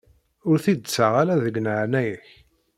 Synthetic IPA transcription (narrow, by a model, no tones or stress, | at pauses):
ʊɾθid̪t͡sːaʁalæðəɡnəʕnæjəç